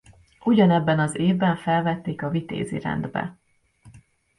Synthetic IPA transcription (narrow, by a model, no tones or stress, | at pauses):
uɟɒnɛbːɛnɒzeːvbɛɱfɛlvɛt̪ːeːkɒvit̪ḛːzḭɾɛ̰nd̪bɛ̰